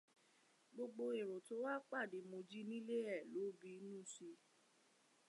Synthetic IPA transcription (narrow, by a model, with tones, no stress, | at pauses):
ɡ͡bo˧ɡ͡bo˧e˨ɾo˨to˨˦wa˦k͡pa˦˨de˨˦mõ˧d͡ʒi˦nĩ˦le˦ɛ˦˨lo˨˦bi˧˦nũ˦˨si˧˦